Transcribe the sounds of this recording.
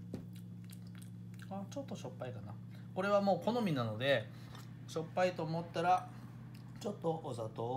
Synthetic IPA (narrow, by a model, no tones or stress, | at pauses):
at͡ɕo̞t̪ːo̞ɕo̞pːaikana | ko̞ɾe̞β̞amo̞ːko̞no̞mʲinano̞d̪e̞ | ɕo̞pːait̪o̞ːmot̪ːaɾa | t͡ɕo̞t̪ːo̞ʔːzat̪o